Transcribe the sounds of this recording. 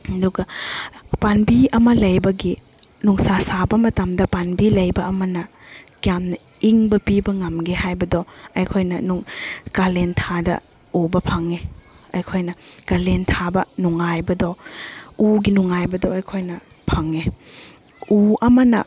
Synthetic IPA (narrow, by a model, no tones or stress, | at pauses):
duɡɐ | panbiɐmɐlɐjbɐɡi | nuŋsasabɐmɐtɐmdɐpanbilɐjbɐːmɐnɐ | kjamnɐ | iŋbɐpibɐŋɐmɡehajbɐdɔɐjkʰojnɐ̰nuŋkalentʰadɐ̰ | obɐpʰɐŋe | ɐjkʰojnɐkalentʰabɐnuŋajbɐdɔ | uɡinuŋajbɐdɔɐjkʰojnɐ | pʰɐŋe | uʔɐmɐnɐ̰